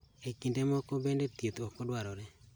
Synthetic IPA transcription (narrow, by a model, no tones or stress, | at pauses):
ekindemɔkɔbɛndetjet̪ɔkɔdwaɾɔɾɛ